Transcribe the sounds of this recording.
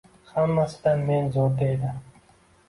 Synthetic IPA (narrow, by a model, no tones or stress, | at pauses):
hamːasd̪anmenzɔd̪ejd̪a